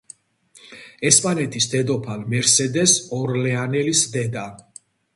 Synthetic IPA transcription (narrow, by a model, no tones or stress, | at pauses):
ɛspʼanɛt̪ʰisd̪ɛd̪ɔpʰalmɛɾsɛd̪ɛsɔɾlɛanɛlisd̪ɛd̪a